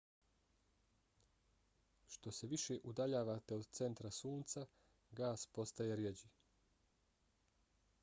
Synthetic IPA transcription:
ʃt̪o̞se̞ʋiʃeʔud̪aʎaːʋat̪eod̪t̪se̞nt̪ɾasuːnt̪sa | ɡaːspo̞st̪ajeɾjed͡ʑi

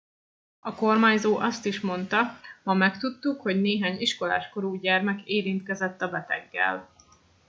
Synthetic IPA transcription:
ɒko̞rmaːɲzoːʔɒst̪iʃmo̞nt̪ɒmɒmɛkt̪ut̪ːukho̞ɟneːɦaːɲiʃko̞la̰ːʃko̞ɾuːɟɛrmɛkeːɾint̪kɛzɛt̪ːɒbɛt̪ɛ̰ɡːɛ̰l

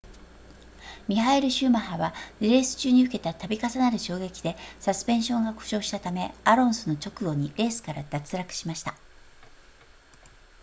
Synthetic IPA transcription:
mʲiɦaeɾɯ̟ɕɨːmaɦaβaɾe̞ːsɨ̥t͡ɕɨːɲ̟iɯ̟ke̞t̪at̪abʲikasanaɾɯ̟ɕo̞ːɡe̞kʲid̪e̞sasɨ̥pẽ̞ɰ̃ɕõ̞ŋɡako̥ɕo̞ːɕi̥t̪at̪ame̞aɾõ̞ɰ̃sɨno̞t͡ɕo̞kɯ̟ɡo̞ɲ̟iɾe̞ːsɨ̥kaɾad̪̥at͡sɨɾakɯ̟̥ɕimaɕi̥t̪a

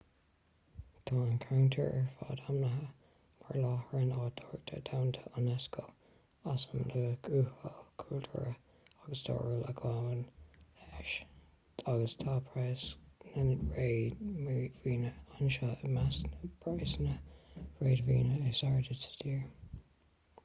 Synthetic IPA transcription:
tʰɑːnkʰawntʰə̰ɹəɹfɑ̰ːdamnəɦə | ma̰ɹlɑːhəɹənɑːdʰɔɹɡ̚tʰə̰dʰawntʰəʔɔnɛskʰoː | asəndəɡuːhəlkʰultʰə̰ɹə | aɡəsdʰɔ̰ːɹələɡʰwawənɛʃ | aɡəstʰaːbʰɹaːsnənɹeːmviːnəanʃəmasnəb̥ɹaɪsnəɹeːdvḭːnəəsaɹdədsə̥diːɹ

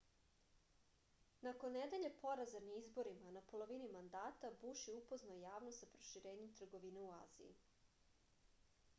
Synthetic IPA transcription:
nakonːed̪e̞ʎepo̞ɾazaɾniizbo̞ɾimanapo̞lˠo̞ʋinimand̪aːt̪abuʃiupo̞znaojaːʋnost̪sapɾo̥ʃiɾe̞ːɲe̞mt̪r̩ɡo̞ʋineua̰ːzḭḭ

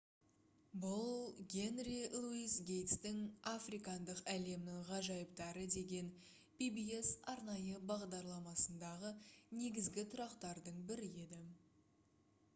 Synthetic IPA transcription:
bʊlˠɡʲe̞nrilˠuisɡʲe̞jt̪st̪ɪŋafrikɑnd̪əqæle̞mnɪŋʁɑʒɑjəp̚t̪ɑɾəd̪e̞ɡʲe̞n | bibie̞sɑɾnɑjəbɑʁd̪ɑɾlˠɑmɑsənd̪ɑʁəne̞ɡʲɪzɡʲɪt̪ʰʊɾɑqt̪ɑɾd̪əɴbɪɾɪe̞d̪ɪ

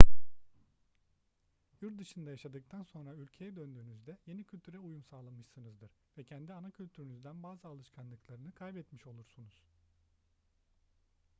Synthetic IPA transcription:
juɾt̪d̪ɯʃɯnd̪ajaʃad̪ɯk̚t̪ʰanso̞nɾaylʲcʰe̞jɛd̪ønd̪yːnyzd̪ɛje̞nicʰylʲt̪ʰyɾɛujumsaːlˠamɯʃsɯnɯzd̪ɯɾ̥vɛcʰɛnd̪ianacʰylʲt̪ʰyɾynyzd̪ænbaːzɯalˠɯʃkʰanlˠɯklˠaɾɯnɯkʰajbɛt̪miʃo̞lˠuɾsunuz̥

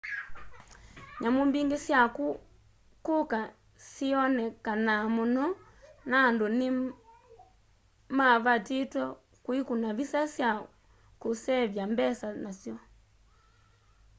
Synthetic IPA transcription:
ɲamumbiŋɡesjaku | kuka | siɔnɛkanamonɔ | nandoni | maβatitwɛ | kwikunaβisasja | kusɛβjambɛsanasjɔ

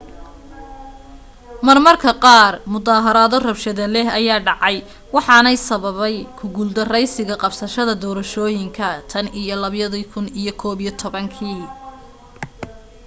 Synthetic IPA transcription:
mɐrmɐrkʰɐqɑːrmʊðaːɦɐɾaːðɔrɐbʃɐðɐlɛɦɐjaːɖɑʕɑj | wɑħɑnɛjsɐβɐβɛjkʰʊɡuːld̪ɐrɛjsɪɣɐqɑbsɐʃɐðɐd̪ɔːɾɐʃɔːjɪŋkʰɐt̪ʰɐnijɔlɐβjɐðikʰʊnijɔkʰɔːβijɔt̪ʰɔβɐŋkʰiː

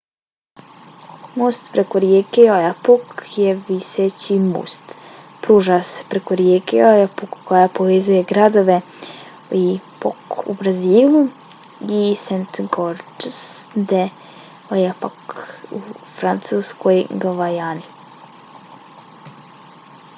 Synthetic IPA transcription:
most̪pɾekoɾjekeojapukjeʋiset͡ɕimṵst̪ | pɾuːʒase̥pɾekoɾjekḛojapukːojapoʋezujeɡɾad̪oʋe | ipo̰kṵbɾaziːlˠu | isent̪ɡoɾsd̪e | ojapakufɾant̪suːskojɡaʋajani

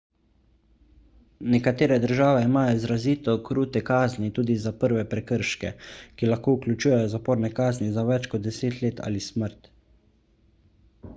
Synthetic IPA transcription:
nɛkat̪eːɾɛd̪əɾʒaːʋɛimaːjɔizɾaziːt̪ɔkɾuːt̪ɛkaːznit̪uːd̪izapəɾʋɛpɾɛkəɾʃkɛ̰kilaxkoːuklʲut͡ʃuːjɛjɔzapɔːɾnɛkaːznizaʋɛt͡ʃkɔt̪̚d̪ɛseːt̪leːt̪ʰa̰ːlisməɾt̪

